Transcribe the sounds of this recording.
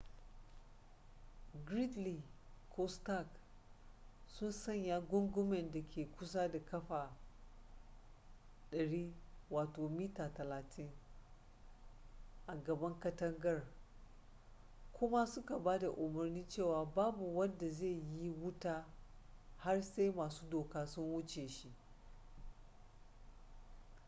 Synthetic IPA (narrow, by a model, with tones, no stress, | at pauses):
ɡɾi˦tli˨kʰo˦sta˦˨k | sʊ˦nsɐ˦˨ɲjaː˦ɡʷʊ˦ŋɡʊ˦mɛ˨nda˨kʲʰeː˨kʷʊ˦s̬a˦da˨kɐ˦ɸa˨ | ɗɐ˨ɽiː˦waː˨toː˨miː˦taː˨tɐ˨laː˨tʰɪ˦ŋ | ʔa˨ɡɐ˨bɐ˦ŋkɐ˦tɐ˦ŋɡɐ˦r | kʷʊ˦ma˦sʊ˦ka˨baː˦da˨ʔʊ˨mɐ˨rniː˦t͡ʃeː˦˨waː˨baː˦bu˨wɐ˦nda˨ze˦˨ji˦wʊ˦taː˦ | ha˦rse˦jmaː˨su̥ː˦doː˨kaː˦sʊ˦nwʊ˦t͡ʃeː˨ʃi˦ʔ